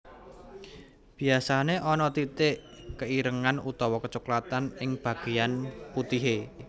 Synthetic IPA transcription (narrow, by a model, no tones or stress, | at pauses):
b̥i̤asaneʔɔnɔt̪it̪ɪʔkəiɾəŋanut̪ɔwɔkət͡ʃuklat̪anɪŋb̥ä̤ɡ̥e̤janput̪iɦe